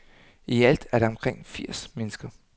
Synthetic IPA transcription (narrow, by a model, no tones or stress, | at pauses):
iæl̰d̥æɐɾ̥ɑɒ̽mkʰʁeŋ̰fiɐ̰smenəsɡ̥ɐ